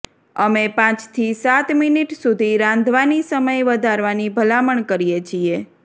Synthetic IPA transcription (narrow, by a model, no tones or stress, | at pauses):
əmepãt͡ʃt̪ʰisat̪miniʈsud̪ʱiɾãnd̪ʱʋanisəməjʋəd̪ʱaɾʋanibʱəlaməɳkəɾijet͡ʃʰie